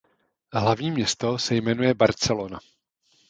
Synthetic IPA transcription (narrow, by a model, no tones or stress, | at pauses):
ɦlavɲiːmɲɛst̪o̞sɛjmɛnujɛbaɾt͡sɛlona